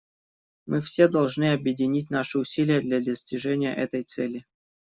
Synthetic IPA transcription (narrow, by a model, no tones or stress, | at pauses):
mʔɨfsʲed̪ɐlˠʐnɨɐbjɪdʲɪnʲit̬̚ʲnaʂɨʊsʲilʲɪjəd̪lʲad̪əsʲtʲɪʐɛnʲɪjə̰ʔɛt̪əjt̪sɛlʲɪ